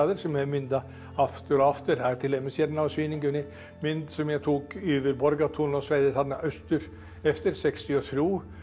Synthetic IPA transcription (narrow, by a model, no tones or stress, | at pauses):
ðəɾsɔmjɛɛmʏnd̪ɑ | ɑft̪əɾɔɑft̪əɾhæːɾt̪ʰɪlɛmːəsjɛd̪naʋsʋiːnɪŋɡʉnɪ | mʏnd̪sɔmjæɡt̪ʰuːkyːʋəɾbɔɾɡat̪ʰuːnɔsʋæɪðət̪ɑd̪nɑʔœst̪ʉɾ | ɛft̪əɾsɛkst̪ɪɔt̪ʰɾuː